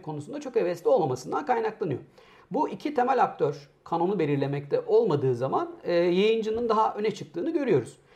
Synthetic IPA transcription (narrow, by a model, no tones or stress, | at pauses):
kʰo̞nusund̪at͡ʃʰo̞kɛvɛslʲio̞lˠmamasɯnd̪ankʰajnaklˠanɯjo̞̰ | buʔicʰit̪ʰe̞mælʲak̚t̪ʰøɾ̥kʰano̞nube̞lʲiɾlʲemɛc̚t̪ʰɛʔo̞lˠmad̪ɯːzamanɯːjajɯnd͡ʒɯnɯnd̪aɦaʔø̞nɛt͡ʃʰɯk̚t̪ʰɯːnɯɟø̞ɾyjo̞ɾuz̥